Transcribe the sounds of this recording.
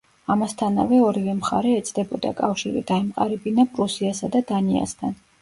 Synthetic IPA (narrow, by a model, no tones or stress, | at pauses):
amast̪ʰana̰vɛɔɾivɛmχaɾɛːt̪sʰd̪ɛbɔd̪a̰kʼafʃiɾḭd̪aimqʼaɾibinapʼɾusiasad̪ad̪ania̰st̪ʰan